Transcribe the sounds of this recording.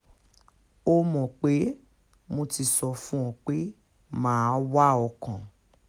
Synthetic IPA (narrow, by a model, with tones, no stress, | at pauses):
o˦mɔ̃˨k͡pe˨˦ | mõ˧ti˧sɔ˧fũ˦ɔ̃˨k͡pe˦ | mãː˦wa˦ɔ˧kã˨